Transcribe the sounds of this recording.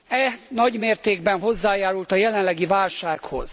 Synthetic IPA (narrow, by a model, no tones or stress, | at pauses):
ɛznɒɟmeːrt̪eːɡ̚bɛnɦo̞zːaːjaːɾult̪ɒjɛlɛnlɛɡivaːlʃaːkho̞̰z̥